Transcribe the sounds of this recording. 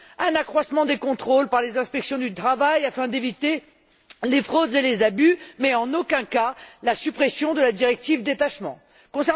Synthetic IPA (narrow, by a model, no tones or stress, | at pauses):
ɛ̃nakχwasmɑ̃d̪ekɔ̃t̪χolpaʁlezɛ̃spɛksjɔ̃d̪yt̪χavajafɛ̃d̪evit̪e | lefχod̪zelezabymɛɑ̃nokɛ̃kalasypχesjɔ̃d̪əlad̪iʁɛk̚t̪ivd̪et̪aʃmɑ̃ | kɔ̃sɛʁ